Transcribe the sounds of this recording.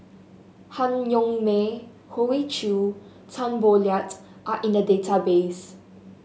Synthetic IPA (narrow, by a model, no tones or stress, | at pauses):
haŋɲɔŋme | howit͡ʃʰu | tʰanboljatʼ | ʔaʔĩnədetʰabes